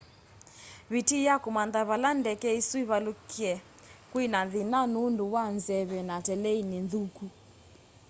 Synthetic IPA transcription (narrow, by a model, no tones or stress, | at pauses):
βitijakumandaβalandɛkɛisuiβalukiɛ | kwinaðinanunduwanzɛβɛnatɛlɛininðuku